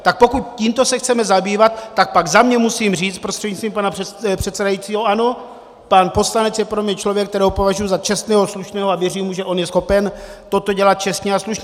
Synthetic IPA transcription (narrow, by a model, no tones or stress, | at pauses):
t̪ak̚po̞kut̪̚ciːmt̪o̞sɛxt͡sɛmɛzabiːvat̪ːak̚paɡzamɲɛmusiːmr̝iːt͡st̪pɾo̞st̪r̥ɛd̪ɲist̪viːmpanapɛpr̝̥ɛt̪sɛdajit͡siːɦoʔano̞ | paːnpo̞slanɛt͡sjɛpɾo̞mɲɛt͡ʃlovjɛkt̪ɛɾɛːɦopo̞vaʒujuzat͡ʃɛst̪nɛːɦosluʃnɛːɦoavjɛriːmuʒɛʔo̞njɛsxo̞pɛnt̪o̞t̪oɟɛlat̪̚t͡ʃɛst̪ɲɛasluʃɲɛ